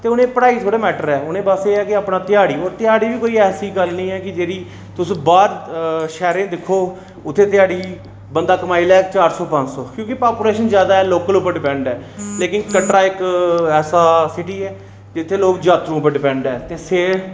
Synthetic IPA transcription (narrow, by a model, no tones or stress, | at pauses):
t̪eːʊnẽːpəɽaːit̪ʰoːɽeːmɛːʈəɾɛːʊnẽːbəseːɛːkɪaːpnaːt̪ɪjaːɽiːoːɾt̪ɪjaːɽiːʋiːkoːiːɛːsiːɡəlnəĩːɛːkɪd͡ʒeːɾiː | t̪ʊsbaːɾʃɛːɾẽːd̪ɪkʰːoː | ʊt̪ʰːeːt̪ɪjaːɽiː | bənd̪aːkəmaːiːlɛːkt͡ʃaːɾsɔːpə̃ɲd͡ʒsɔːkjõːkɪpaːɾpuːleːʃənzjaːd̪aːɛːloːkəlʊpəɾɖɪpɛ̃ɳɖɛːleːkɪnkəʈɾaːɪkɛːsaːsɪʈiːɛː | d͡ʒɪt̪ʰːeːloːɡd͡ʒaːt̪ɾũːpəɖɪpɛ̃ːɳɖɛːt̪eːseː